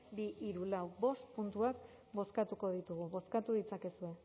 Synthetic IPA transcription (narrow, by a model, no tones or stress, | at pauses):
biʔiɾulawbo̞st̪punt̪uak | bo̞skat̪uko̞ðit̪uɣ̞uβo̞skat̪uðit͡sake̞sue̞